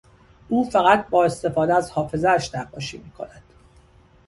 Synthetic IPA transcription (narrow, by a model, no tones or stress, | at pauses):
ʔuːfæɣæt̪̚ʰbɒːe̞st̪e̞fɒːd̪eæzhɒːfe̞zææʃt̪æqːɒːʃiːmiːkʰo̞̰næd̪̥